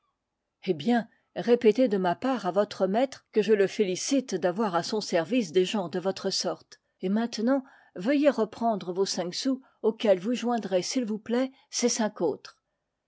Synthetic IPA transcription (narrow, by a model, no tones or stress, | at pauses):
ebjɛ̃ | ʁepet̪ed̪əmapaʁavɔt̪χəmɛt̪χkəʒələfelisit̪d̪avwaʁasɔ̃sɛʁvis̬d̪eʒɑ̃d̪əvɔt̪χəsɔʁt̪ | emɛ̃t̪nɑ̃ | vəjeʁəpχɑ̃d̪ʁəvosɛ̃ksu | okʲɛlvuʒwɛ̃d̪ʁesilvuplɛ | sesɛ̃koːt̪χ